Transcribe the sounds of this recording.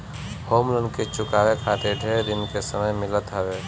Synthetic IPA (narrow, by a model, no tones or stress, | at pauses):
hoːmlənket͡ʃʊkaːwekʰaːt̪eɖʱeːɾd̪ɪnkesəməjmɪlət̪ɦɛʋeː